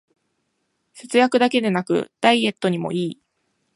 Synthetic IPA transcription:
se̞t͡sɨjakɯ̟d̪ake̞d̪e̞nakɯ̟̰d̪̥aie̞t̪ːoɲ̟imo̞̰ʔiː

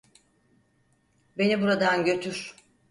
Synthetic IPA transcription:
be̞nibuɾad̪anɟø̞t̪ʰyɾ̥

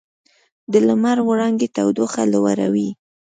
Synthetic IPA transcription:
d̪əlamaɾwʊɽɑŋɡet̪awd̪oxalowa̰ɾa̰wi

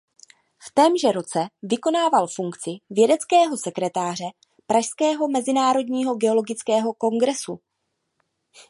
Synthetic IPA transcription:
ft̪ɛːmʒɛɾo̞t͡sɛvɪko̞naːvalfuŋkt͡sɪvjɛdɛt͡skɛːɦo̞sɛkɾɛt̪aːr̝ɛ | pɾaʃskɛːɦo̞mɛzɪnaːɾo̞dɲiːɦo̞ɡɛo̞lo̞ɡɪt͡skɛːɦo̞ko̞ŋɡɾɛsu

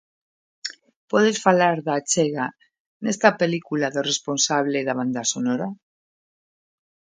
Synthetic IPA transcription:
pɔðesfalaɾðat͡ʃeɣa | nest̪apelikulaðoresponsaβ̞leðaβ̞and̪asonoɾa

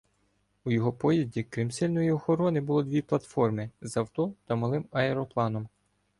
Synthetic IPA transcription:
ujɔɦɔpɔjɐdʲikɾɪmsʲɛlʲnɔjiɔxɔɾɔnɪbʊlˠɔd̪ʲʋʲiplˠɐt̪fɔrmɪzɐwt̪ɔt̪ɐmɐlˠɪmɐɛɾɔplˠɑnɔm

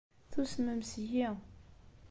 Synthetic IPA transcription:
θusməmsji

